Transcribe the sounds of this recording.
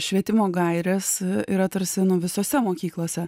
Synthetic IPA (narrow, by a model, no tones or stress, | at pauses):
ʃʲʋʲiɛt̪ʲɪmoːɡɐɪɾʲɛsiːɾɐt̪ɐɾʲsʲɪnʊʋʲɪsoːsʲɛmoːkʲiːklˠoːsʲɛ